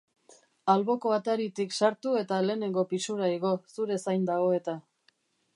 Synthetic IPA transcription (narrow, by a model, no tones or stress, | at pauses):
alβo̞ko̞at̪aɾit̪iksaɾt̪ue̞t̪ale̞ːne̞ŋɡo̞pisuɾaiɣ̞o̞suɾe̞sajnd̪aɣ̞o̞e̞t̪a